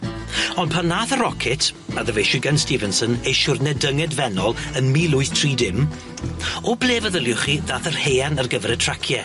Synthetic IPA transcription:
ɔndpʰanːaːθəɾɔkʰɪtʰaðəvejʃʊɡanstivɛnsənejʃʊrnɛdəŋɛdvɛnɔlˠənmiːlˠʊɨθtʰr̥iːdɪm | ɔblˠeːvəðəlˠjʊχiðaːθərheːanərɡəvrɛtʰr̥akʰjɛ

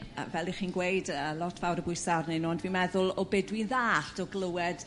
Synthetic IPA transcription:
vɛlˠiχiːnɡwejdəlˠɔtʰv̥awɾəbʊɨsarnenuɔndviːnmɛðʊlˠɔbɪdwinðaːɬtɔɡlˠəwɛd̥

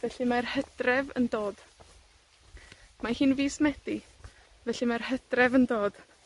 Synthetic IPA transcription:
vɛɬɨmarhəd̥rɛvə̰ndoːd̥ | mahiːnviːsmɛd̥i | vɛɬimarhəd̥rɛvəndoːd̥

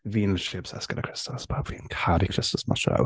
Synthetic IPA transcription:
viːnʃɪbsɛ̰skəɾʔəkʰɹ̥ɪstəspʰavinkʰaɾikʰɹɪstəsma̰ʃɹa̰w

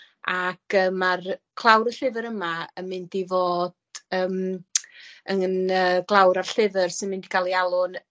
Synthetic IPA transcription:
akəːmarkʰlˠawɾəɬɪvəɾəmaəmːɪndivoːd̥əːm | əŋənəːɡlˠawɾarɬɪvərsɪnmɪndiɡʰalˠialˠʊn

